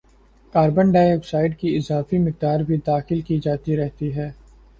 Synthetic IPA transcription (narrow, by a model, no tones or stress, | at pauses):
kaːɾbə̃nɖaːjɛksaːɪɖkiɪzaːfimɪk̚d̪aːɾbʱid̪aːxɪlkid͡ʒaːt̪iɾɛɦt̪iɦɛː